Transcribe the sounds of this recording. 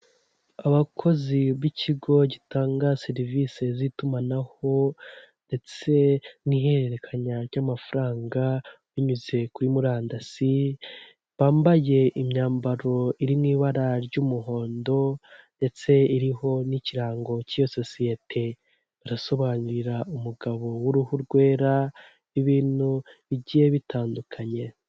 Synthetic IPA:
aβakʰo̞ziβicʰiɡo̞ɟitʰaːŋɡaseɾivise̞zitumanaho̞nde̞t͡se̞nihe̞ɾeɾe̞kʰaɲaɾɟaːmafaɾaːŋɡa | βiɲuze̞kuɾimuɾaːndasi | βaːmbaje̞ʔimɲaːmbaɾo̞iɾimŋiːβaɾaɾɟuːmuɦo̞ːndo̞nde̞t͡se̞iɾiɦo̞niciɾaːŋɡo̞cijososije̞tʰe̞ | βaɾaso̞βaːɲuɾiɾaumuɡaβo̞wuɾuhuɾɡwe̞ːɾa | iβiːnuβiɟiːje̞βitʰaːndukʰaɲe̞

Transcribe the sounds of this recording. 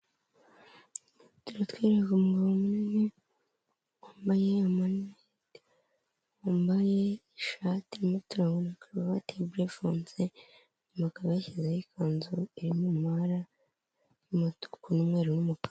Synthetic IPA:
tuɾatwiɾeakomuɡaβomunine | waːmbajeamane | d | waːmbajeː | ʃatiɾimatuɾaŋɡonakaβaβatebuɾefoːnse | makaβajeçezajikʰaːnzuiɾimumhaɾa | jumatu̥kunumŋe̞ːɾunumupḁ

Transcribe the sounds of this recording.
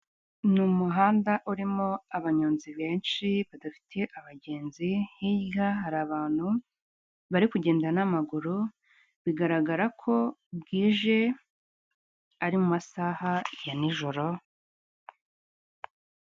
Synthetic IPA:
numuɦaːndaʔuɾimoaβaɲoːnziβe̞ːnʃiβadafi̥tʰe̞ʔaβaɟe̞ːnzihijɡaɦaɾaβaːn̥hu | βaɾikuɟe̞ːndanamaɡuɾu | βiɡaɾaɡaɾakʰo̞bɡiːʒe̞ | aɾimumasahajaniʒo̞ɾo̞

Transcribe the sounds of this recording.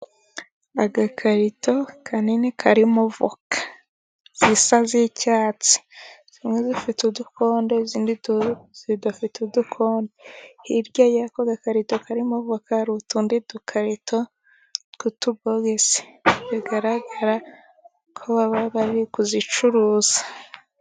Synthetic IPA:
aɡakʰaɾitʰo̞kʰaninekʰaɾimovo̰kḁ | z̥isazicaːt͡si̥z̥imwezifitudukʰo̞ːndeziːndizidafitudukʰoːndehiɾɟajakoɡakaɾitokaɾimovokaɾutundidukʰaɾitʰo | kutuβoɡese̥βiɡaɾaɡaɾa | kʰoβaβaβaβikuzit͡ʃuɾuz̥ḁ

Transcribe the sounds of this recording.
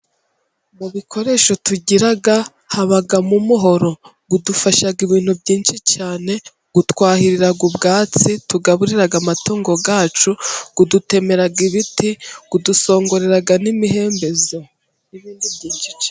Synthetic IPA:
muβikʰo̞ɾe̞ʃo̞tuɟiɾaɡa | haβaɡamumuɦo̞ɾo̞ | ɡudufaʃaɡiβiːn̥hubɟiːnʃit͡ʃaːne̞ | ɡ̥utwaːhiɾiɾaɡubɡaːt͡situɡaβuɾiɾaɡamatuːŋɡo̞ɡaːt͡ʃuɡ̥udute̞me̞ɾaɡiβitiɡ̥uduso̞ːŋɡo̞ɾe̞ɾaɡanimihe̞ːmbe̞zo̞ | iβiːndubɟiːnʃi̥t͡ʃḁ

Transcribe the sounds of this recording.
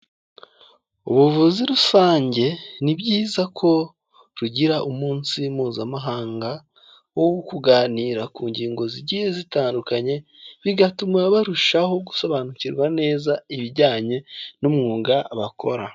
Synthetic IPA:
uβuvuziɾusaːɲɟe̞nibɟiːzakʰo̞ | ɾuɟiɾaʔumuːnsimuːzamaɦaːŋɡa | wowkuɡaːniːɾakuːɲɟiːŋɡo̞ziɟihezitaːndukaɲe̞βiɡatumŋaβaɾuʃaho̞ɡuso̞βanuciɾɡwane̞ːzaiβiɾɟaːɲe̞numŋuːɡaβakʰo̞̰ɾa

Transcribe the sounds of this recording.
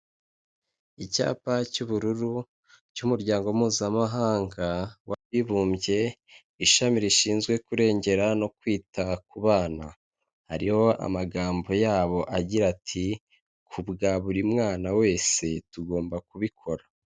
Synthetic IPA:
ica̰ːpacuβuɾuɾu | cumuɾɟaːŋɡomuːzamaɦaːŋɡawaβiβuːmbje̞ | iʃamiɾiʃiːnzɡwe̞kuɾe̞ːɲɟe̞ɾano̞kwiːtakuβaːna̰ | ha̰ɾiho̞ʔa̰maɡaːmbo̞jaːβo̞ʔaɟiɾatʰi | kʰubɡaβuɾimŋaːnawe̞ːse̞tuɡo̞ːmbakuβikʰo̞ɾa

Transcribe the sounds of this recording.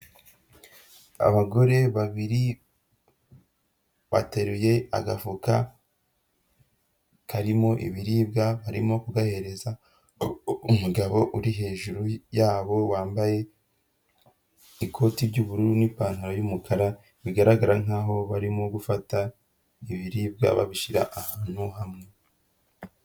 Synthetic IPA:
a̰βaɡo̞ɾe̞βaβiɾi | βa̰teɾuje̞a̰ɡafuka | kʰaɾimo̞ʔḭβiɾiːbɡaβaɾḭmo̞kuɡahe̞ɾe̞za | umuɡaβo̞ʔuɾiɦe̞ːʒuɾujaːβo̞waːmbaje̞ | ikʰo̞ːtibɟuːβuɾuɾunipaːnhaɾojumukʰaɾa | βiɡaɾaɡaɾaŋ̥aːɦo̞βaɾimoɡufata | iβiɾiːb̚ɡa̰βa̰βiʃiɾa̰ʔahaːn̥huhamŋe̞

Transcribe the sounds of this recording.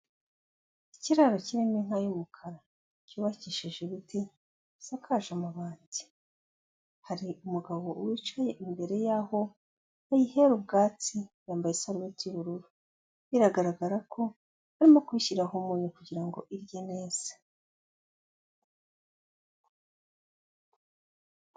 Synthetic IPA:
iciɾaɾo̞ciɾemiŋ̥ajumukʰaɾa | cuːβaciʃeʒeβiti | sakʰaʒamaβaːndi̥ | haɾiʔumuɡaβo̞uwit͡ʃaje̞ʔimbe̞ɾe̞jaːɦo̞ | ajihe̞ɾubɡaːt͡sijaːmbajesaɾwetiuβuɾuɾu | iɾaɡaɾaɡaɾakʰo̞ | haɾimo̞kwiçiɾaɦumuːɲukuɟiɾaŋɡo̞̰ʔiɾjene̞ːz̥ḁ

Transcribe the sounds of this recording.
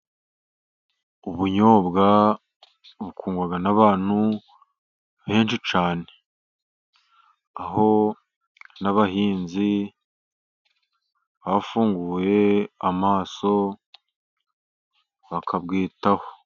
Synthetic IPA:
uβuɲoːbɡa | βukʰuːŋɡwaɡanaβaːn̥hu | βe̞ːnʃit͡ʃaːne̥ | aɦo̞ | naβaɦiːnzi | βafuːŋɡuːje̞amaːso̞ | βakʰabɡiːtaho

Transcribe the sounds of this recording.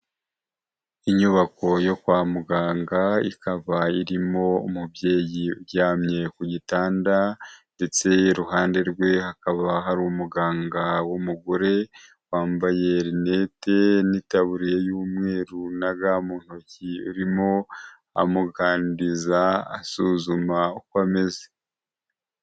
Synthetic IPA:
iɲuβako̞jo̞kwaːmuɡaːŋɡaḭkaβaiɾimo̞umubje̞ːjiujaːmɲe̞kuɟitaːndande̞t͡se̞ɾuɦaːnde̞ɾɡwe̞hakaβaɦaɾuːmuɡaːŋɡawomuɡoɾe̞ | waːmbaje̞ɾine̞te̞nitaβuɾijejuːmŋe̞ːɾunaɡamuːn̥ociuɾimo̞ | a̰muɡaːndizaːsuːzumaukwame̞ze̥

